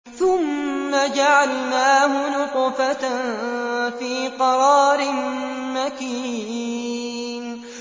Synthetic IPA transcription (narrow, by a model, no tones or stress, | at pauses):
θʊmːad͡ʒaʕalnaːɦʊnʊqfa | fiːqɑɾˤɑːɾɪnmaki | n